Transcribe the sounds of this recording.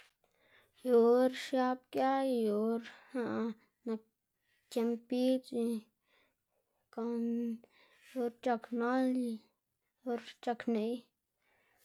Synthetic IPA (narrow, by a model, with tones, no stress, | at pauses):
jo˨ɾʃja˧b̚kʲja˦jo˨ɾha˧ʔ | na˧ | t͡ʃe˧mpi˦t͡si˧ | ko˨n | jo˧ɾt͡ʃa˧kno˦li˧ | o˧ɾt͡ʃa˧kne˧j